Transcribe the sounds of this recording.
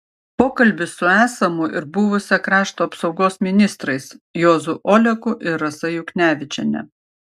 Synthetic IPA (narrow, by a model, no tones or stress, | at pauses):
poːkɐlʲbʲɪsʊæːsɐmʊʔɪɾbʊʋʊsʲɛkɾɑːʃt̪oːɐpsɒʊɡoːsmʲɪnʲɪst̪ɾɐɪsjoːzʊʔɔːlʲɛkʊʔɪɾɐsɐjʊknʲæːʋʲɪt͡ʃʲɛnʲɛ̰